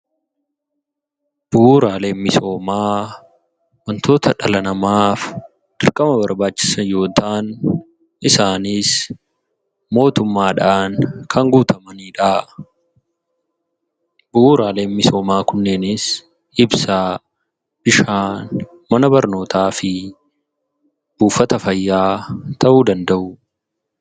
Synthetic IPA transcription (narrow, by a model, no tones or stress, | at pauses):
b̥ʊːɾaːle̞ːnmɪso̞ːmaː | wɐnt̪ʰo̞ːt̪ʰɐᶑɐlɐnɐmaːf | d̪̥ɪɾkʼɐmɐbɐɾbaːt͡ʃːɪ̥sɐjo̞ːt̪aːn | ʔɪsaːniːs | mo̞ːt̪ʊmːaːᶑaːnkʰɐŋɡuːt̪ʰɐmɐniːᶑaː | bʊʔuːɾaːle̞ːmmɪso̞ːmaːkʊnːɛnɪs | ɪbsaː | b̥ɪʃaːn | mɐnɐbɐɾno̞ːt̪ʰaːfɪ | b̥uːfɐt̪ɐfɐjːaːt̪ɐʔuːd̪ɐnd̪ɐʔʊ